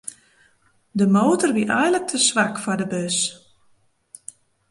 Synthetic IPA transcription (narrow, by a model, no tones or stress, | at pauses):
dəmoːtərʋiʔɛjlək̚tʰəsʋakfɔrdəbøs